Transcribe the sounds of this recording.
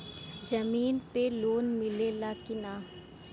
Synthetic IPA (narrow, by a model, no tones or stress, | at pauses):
d͡ʒɐmiːnpeloːnmɪlelaːkɪnaː